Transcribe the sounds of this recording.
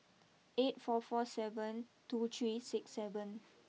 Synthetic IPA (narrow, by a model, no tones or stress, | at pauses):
etfɔfɔsɛvə̃ntut̪ʰɹiːsɪksːɛvə̃n